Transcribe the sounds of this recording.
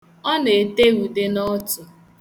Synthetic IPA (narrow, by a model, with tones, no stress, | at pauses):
ɔ˦n˨e˨te˦ɣu˨de˦nɔ˦tʊ˨